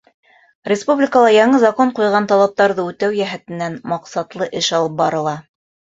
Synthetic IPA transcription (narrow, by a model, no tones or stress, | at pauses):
rʲɪspublʲɪkəlˠɑjɑɴɤzɑkoɴqujʁɑnt̪ɑlˠɑp̚t̪ɑɾðɤʉt̪æwjæɦæt̪ɘ̆nːænmɑqsɑt̪lˠɤʔɘʃɑlˠɤp̚bɑɾɤ̆lˠɑ